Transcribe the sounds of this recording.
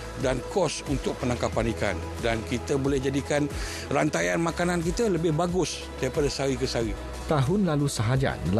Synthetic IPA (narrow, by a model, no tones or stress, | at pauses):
dankɔsunt̪ʊk̚pənãŋkapanika̰n | dankit̪əbolɛhd͡ʒadikan | rant̪ajanmãkanank̬it̪ələbɪhbaɡʊs | daɾipadasaɣikəsaɣi | t̪aɦʊnlalusəɦad͡ʒa̰nəl